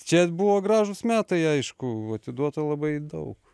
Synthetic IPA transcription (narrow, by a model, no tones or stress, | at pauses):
t͡ʃʲɛbuʋoːɡɾɑːʒʊsmʲæːt̪ɐɪɐɪʃkʊɐt̪ʲɪd̪uɔt̪ɐlˠɐbɐɪd̪ɐʊk